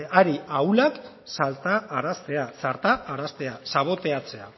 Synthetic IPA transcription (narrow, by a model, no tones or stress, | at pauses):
aɾiawlak | salt̪aːɾast̪e̞asaɾt̪aːɾast̪e̞asaβ̞o̞t̪e̞at͡se̞a̰